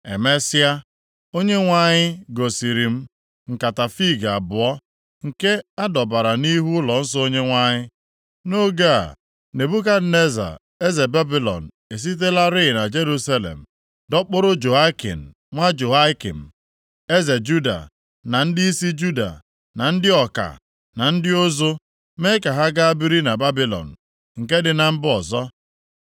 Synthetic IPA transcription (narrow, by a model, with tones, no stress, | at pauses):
e˨me˦sja˦ | o˦ɲe˦ŋʷa˦ɲɪ˦ɡo˨si˨ɾi˨m̩˦ | ŋ̩˨ka˨ta˨fi˦˨ɡa˨bʊ˨ɔ˦ | ŋ̩˨ke˦a˦dɔ˨ba˨ɾa˨ni˦ɦu˦lɔ˨n̩˦sɔ˦o˦ɲe˦ŋʷa˦ɲɪ˦ | no˦ɡa˦a̰˨ | ne˨bu˦ka˦ne˦za̰˨ | e˦ze˨be˦bi˨lɔ̰˨n̩˨e˨s̬i˦t̬e˦la˦ɾɪ˦˨na˨d͡ʒe˦ɾu˦sa˦lḛ˨m̩˨ | dɔ˦k͡pʊ˦ɾʊ˦d͡ʒo˨a˦kḭ˨n̩˨ | ŋʷa˦d͡ʒo˨a˦kḭ˨m̩˨ | e˦ze˨d͡ʒu˦da̰˨ | na˨n̩˦dɪ˦i˦si˦d͡ʒu˦da̰˨ | na˨n̩˦dɪ˦ɔ˨ka̰˨ | na˨n̩˦dɪ˦o˦zo˦ | me˦ka˨ɦa˦ɡa˦a˦bi˦ɾi˦na˨ba˦bi˦lɔ̰˨n̩˨ | ŋ̩˨ke˦dɪ˨na˨m̩˦bɔ˨zɔ˦